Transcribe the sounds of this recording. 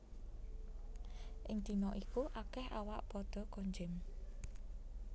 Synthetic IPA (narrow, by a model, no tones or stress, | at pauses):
ʔɪŋd̪̥i̤nɔʔikuʔakɛhawaʔpɔd̪̥ɔ̤koɲd͡ʒɪm